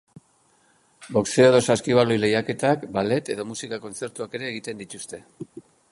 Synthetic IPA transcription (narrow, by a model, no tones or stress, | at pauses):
bo̞kse̞oðo̞saskiβ̞alojle̞jake̞t̪akbale̞t̪e̞ðo̞musikako̞nt͡se̞ɾt̪uake̞ɾe̞ːɣ̞it̪e̞nd̪it̪ust̪e̞